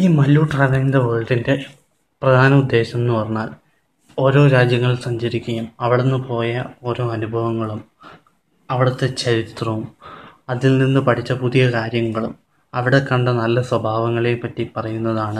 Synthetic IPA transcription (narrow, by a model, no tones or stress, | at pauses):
iːmɐlːuːʈrɐʋɐnd̪eʋɐːɭʈinde̞ | prɐd̪ʱaːnɐud̪ːe̞ːɕɐenːɨpɐrɐɲːaːl | o̞ːɾo̞ːɾaːd͡ʑjɐŋːɐɭsɐɲd͡ʑɐɾikʲːujɐmɐʋiɭenːɨpo̞ːjɐo̞ːɾo̞ːɐnubʱɐʋɐŋːɐɭum | ɐʋiɽɐt̪ːe̞t͡ɕɐɾit̪rɐʋumɐðilninːɨpɐʈʰit͡ɕːɐpuðijɐkaːɾjɐŋːɐɭum | ɐʋiɽe̞kɐɳɖɐnɐlːɐswɐbʱaːʋɐŋːɐɭepːɐtːipɐrɐjunːɐðaːɳɨ